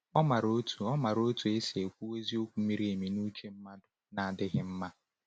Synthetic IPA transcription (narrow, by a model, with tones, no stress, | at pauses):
ɔ˦ma˨ɾo˦tʰu˨ɔ˦ma˨ɾo˦tu˨e˦se˨kʷu˦we˦zi˦o˦kʷu˨˦mi˦ɾi˦e˨mi˨nu˦t͡ʃe˦m̩˦ma˦dʊ˨na˨a˨dɪ˦ɣɪ˦m̩˦ma˦